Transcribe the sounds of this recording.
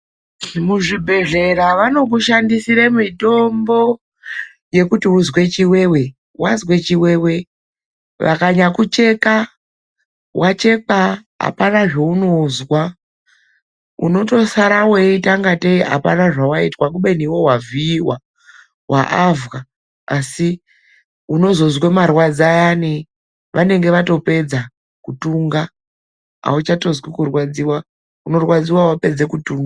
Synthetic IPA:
muʐibʱe̞ɮe̞ɾaʋano̞k̬uʃandisiɾemito̞mbo̞ | je̞kutiuzwe̞t͡ʃiwe̞we̞ | wʔazwe̞t͡ʃiweːwe̞ | ʋa̰kaɲakut͡ʃe̞ka | wʔat͡ʃe̞kaɦa̰panaʐeuno̞zwa | ṵno̞to̞saɾaweitaŋɡateiɦa̰panaʐawaitwak̬uɓe̞niwowaviːwa | wa̰ʔavɣa | asi | uno̞zo̞zwemarwad͡zajani | ʋʔane̞ŋɡe̞ʋato̞pe̞d͡za | kutuːŋɡa | a̰ut͡ʃato̞zwikurwad͡ziwa | uno̞rwad͡ziwawape̞d͡zekutuːŋɡa

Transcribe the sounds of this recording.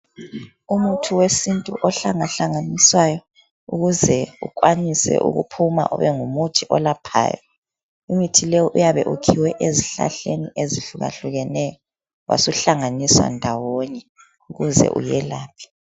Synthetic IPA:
umutʰuwesintʼuʔɔɬaŋaɬaŋaniswajɔ | uɣuzɛṵkʼwanisɛ̰ʔṵɣṵpʰuma̰ʔɔ̰βɛŋumutʰiʔɔlapʰa̰ːjɔ | umitʰilɛɔʔujaβɛ̰ʔukʰiwɛʔeziɬa̰ɬeniʔeziɬuɣa̰ɬuɣɛnɛjɔ | wʔa̰suɬaŋaniswa̰ndʱawɔɲɛ | uɣuzɛ̰ʔujɛlaːpʰi̥

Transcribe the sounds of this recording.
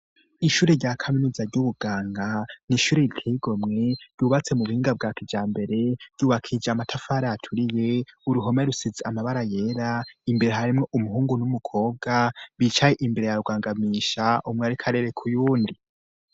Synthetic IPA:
iʃuːɾeɾɟakʰaminuzaɾɟuβuɡaːŋɡaniʃuːɾeikʰiɡo̞mŋe̞ɾj̥uβat͡se̞muβuhiːŋɡab̚ɡaːkid͡ʒaːmbe̞ɾe̞ɾɟuːβakʰid͡ʒamatʰafaːɾaatʰuɾije̞uɾuɦo̞meɾusizeamaβaɾaje̞ːɾaimbe̞ɾeɦaɾimŋe̞ʔumuɦuːŋɡunumukʰo̞ːb̚ɡaβit͡ʃajeʔimbe̞ɾe̞jaɾuɡwaːŋɡamiʃaʔumŋeaɾikʰaɾe̞ːɾe̞kʰujuːndi

